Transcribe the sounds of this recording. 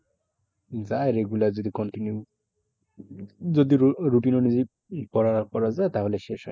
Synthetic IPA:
zaeɾeɡulaɾzod̪ikɔɳʈinju | zod̪iɾuʈinonizi | pɔɾapɔɾazaet̪aɦoleʃeʃɔ̰

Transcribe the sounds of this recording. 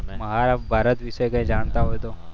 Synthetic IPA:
mɐɦaːɾabbʱaːɾət̪ʋisekɐẽd͡ʒaːnt̪aɦoet̪oː

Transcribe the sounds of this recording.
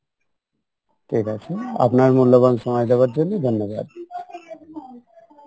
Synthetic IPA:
ʈʰikat͡ɕʰea̰pnaɾmulːobanʃɔmɔjd̪ɛwaɾd͡ʑonːed̪ʱɔnːoba̰d̪̚

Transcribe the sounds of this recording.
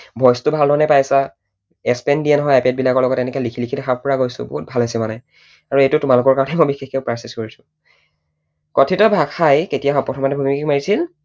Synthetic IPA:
bʱɔjstʊbʱalnɔanɛpajasa | ɛspɛndiɛnɦɔjapɛt̚bilakɔɹlɔɡɔtːɛnɛkɛlikʰiliidɛxaɹpɔɹaɡojsʊ̰bɔ̰ɦut̚bʱalasɛmanɛ | aɹuejtʊtʊmalʊkɔɹkaɹɔ̃nɛmɔjbixekkeʊpɹasiskɔɹisʊ̥ | kɔtʰitɔbʱakʰajketijaɦpɔtʰɔmatɛbʱumiikikmaɹisil

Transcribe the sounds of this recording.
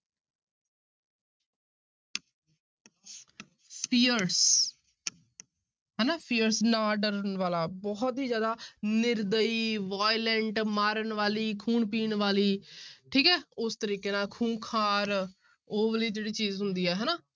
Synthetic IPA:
pʰiːəɾs | ɦɛːnaːpʰiːəɾsnaːɖəɾnʋaːlaːbɔːt̪ɦiːd͡ʒjaːd̪aːnɪɾd̪əiːʋaːɪlɛɳʈmaːɾənʋaːliːkʰuːɳp̬iːɳʋaːliːʈʰiːkɛːʊst̪əɾiːkeːnaːkʰuːnkʰaːɾ | oːʋəliːd͡ʒeːɽiːt͡ʃiːzɦʊnd̪iːɦɛːɦɛːnaː

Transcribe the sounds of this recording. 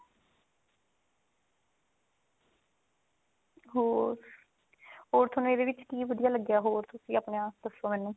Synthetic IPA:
ɦoːɾ | ɦoːɾt̪ʰənũːeːd̪eːʋɪt͡ʃkiːʋəd̪ɪjaːləɡjaːɦoːɾt̪ʊsĩːaːpɳejãːd̪əsõːmɛːnũː

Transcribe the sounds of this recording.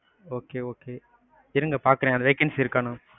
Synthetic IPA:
oːkeːoːkeː | ɪɾɯŋɡɐpaːɾkɯɾẽːɐnd̪ʋeːkɐnsɪɾɯkːaːnʊ̃

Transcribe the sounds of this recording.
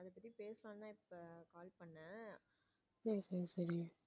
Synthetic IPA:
ɐðɐpɐt̪ːipeːsɐlãːnt̪ãːɪpːɐkaːlpɐɳːɐ̃ | nesɐɾisɐɾi

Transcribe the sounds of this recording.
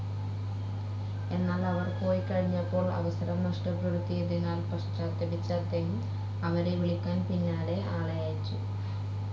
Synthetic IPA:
e̞nːaːlɐʋɐrpo̞ːjkɐɻiɲːɐpːo̞ːɭɐ̰ʋɐsɐɾɐmnɐʂʈɨprɐɾut̪ːijɐðinaːlpɐʂt͡ɕːaːt̪ːɐbit͡ɕːaːt̪ːejum | ɐʋɐɾeʋiɭikʲːaːnpinːaːɾe̞ʔaːɭɐjaːjit͡ɕːu

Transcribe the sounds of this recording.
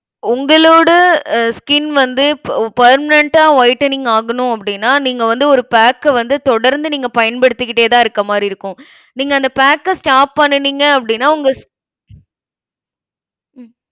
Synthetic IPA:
ʊŋɡɐɭoːɽɐskɪnʋɐnd̪ɯpɐːɾmɪnɛɳʈaːʋɐɪʈːɐniŋɡɐaːɣɐnʊ̃ɐp̬ːɐɽɪnːaːniːŋɡɐʋɐnd̪ɯɔɾɯpaːkːʋɐnd̪ɯt̪ɔɽɐɾnd̪ɯniːŋɡɐpɐjɐnpɐɽɯt̪ːɯkːɪʈːeːt̪ãːɪɾɯkːɐmaːd̪ɾiɪɾɯkːʊ̃ | niːŋɡɐɐnd̪ɐpaːkːɐsʈaːp̚ːɐɳːɯniːŋɡɐɐpːɐɽɪnːaːʊŋɡɐs

